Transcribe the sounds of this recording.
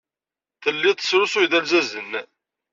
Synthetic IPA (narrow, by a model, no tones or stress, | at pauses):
θəlːit̪ˤə̥sɾʊsʊjðælzæzən